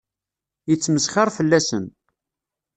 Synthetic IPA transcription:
jət͡sːməsχɑɾˤfəlːæsən

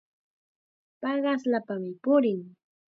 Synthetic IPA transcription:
pɑɢɑslapamɪpʊɾɪŋ

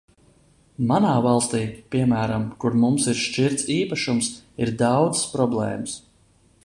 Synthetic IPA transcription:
manaːvɑlˠst̪iːpiɛmæːɾamkuɾmumsiɾʃt͡ʃiɾt̪siːpaʃumsiɾd̪ɑwd̪z̥spɾɔblˠɛ̰ːməs

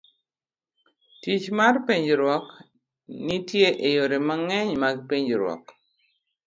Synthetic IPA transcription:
tit͡ʃmarpiɲd͡ʒɾwɔk | nitjeʔejoɾemaŋɛɲmaɡpiɲd͡ʒɾwɔ̰k

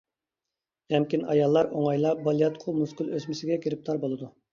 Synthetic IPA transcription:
ɛmkʲinɑjɑlˠːɑɾoŋɑjlˠɑbɑlˠijɑt̪qʰʊmuskʲylˠøsmɪsɪɡʲɛkʲʰiɾɪp̚t̪ʰɑɾbolˠɨd̪u

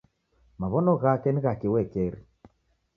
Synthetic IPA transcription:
maβɔnɔɣakɛniɣakiwɛkɛɾi

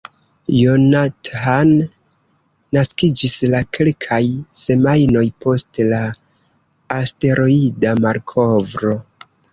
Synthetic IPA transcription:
jonatan | askid͡ʒislakʰe̞lkʰajse̞majno̞jpo̞stlaː | ste̞ɾʔo̞idamaɾkʰo̞vɾo̞

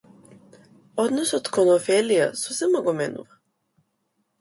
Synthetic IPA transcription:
ɔd̪nɔsɔt̪kɔnɔfɛlija̰sɔsɛmɔɡɔmɛnṵva

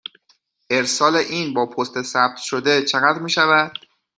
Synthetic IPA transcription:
ʔe̞ɾsɒːle̞ʔiːnbɒːpʰost̪e̞sæb̚t̪ʰʃod̪e̞t͡ʃʰe̞ɣæd̪ɾmiːʃævæd̪̥

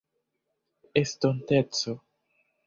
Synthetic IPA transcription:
estontet͡so

